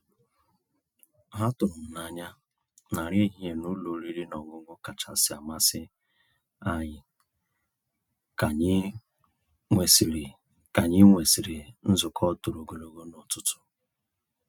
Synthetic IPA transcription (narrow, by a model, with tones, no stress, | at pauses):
ɦa˦tʊ˨m̩˨na˨ɲa˦ | na˨ɾje˦˨ɦe˨nʊ˦lo˨ɾi˦ɾi˦nɔ˨ŋʊ˦ŋʷʊ˦ka˨t͡ʃa˨sɪ˨˦a˨ma˦sɪ˦ | a˦ɲɪ˨ | ka˨ɲ˦ | ŋʷe˨sɾ | ka˨ɲɪ˦ŋʷe˨si˨ɾi˨n̩˦zʊ˨kʰɔ˦tu˨ɾo˨ɡo˨lo˨ɡo˦nɔ˨tʊ˦tʊ̥˨